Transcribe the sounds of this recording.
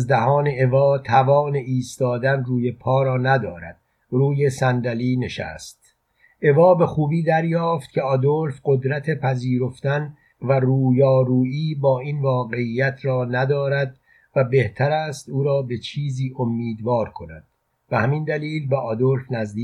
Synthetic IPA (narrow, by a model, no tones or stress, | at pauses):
zd̪æhɒːneʔevɒːt̪ʰævɒːne̞ʔiːst̪ɒːd̪ænruːje̞pʰɒːɾɒːnæd̪ɒːɾæ̰d̪̥̚ | ruːje̞sænd̪æliːne̞ʃæ̰st̪̚ | ʔe̞vɒːbe̞xuːbiːd̪æɾjɒːft̪̚cʲʰe̞ɒd̪olfɢo̞d̪ɾæt̪ʰepʰæziːɾo̞ft̪æn | væruːjɒːɾuːiːbɒːinvɒːɡe̞ijːæt̪ʰɾɒːnæd̪ɒːɾæd̪̚ | væbe̞ht̪ʰæɾæːst̪uːɾɒːbe̞t͡ʃʰiːziːʔomːiːd̪vɒːɾkʰo̞næd̪̥̚ | b̥ehæmind̪æliːlbeʔɒd̪o̞lfnæzd̪iː